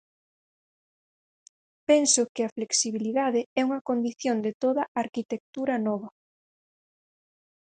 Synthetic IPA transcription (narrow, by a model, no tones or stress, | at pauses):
pɛnsʊkɪɐfleksiβiliðaðɪɛuŋɐkond̪iθjond̪et̪oðɐaɾkit̪ek̚t̪uɾɐnɔβ̞ɐ